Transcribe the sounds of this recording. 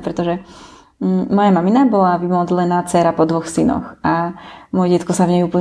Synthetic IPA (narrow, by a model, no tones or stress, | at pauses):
pɾɛt̪ɔʒɛ | mɔjamaminabɔlaʋimɔd͡zlɛnaːt͡sɛɾapɔd̪ʋɔxsinɔ̰xʔamɔjɛɟɛt̪kɔsavɲɛuːpl̩